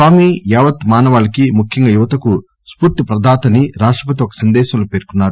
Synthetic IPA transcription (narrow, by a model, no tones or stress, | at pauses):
saːmijɛːʋɐt̪maːnɐʋaːɭɐkimukʰjɐŋɡɐjuʋɐt̪ɐku | spuːɾt̪ipɾɐd̪ʱaːt̪ɐniɾaːʂʈɾɐp̬ɐt̪iɔkɐ̥sɐnd̪ɛːʃɐmloːpe̞ːɾkunːaːɾu